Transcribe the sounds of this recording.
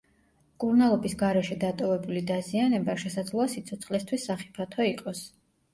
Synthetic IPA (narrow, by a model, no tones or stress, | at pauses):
kʼuɾnalˠɔbisɡaɾɛʃɛd̪at̪ʼɔvɛbulid̪azianɛbaʃɛsad̪zlˠɔasit̪sʰɔt̪sʰχlɛst̪ʰwisːaχi̥pʰat̪ʰɔiqʼɔs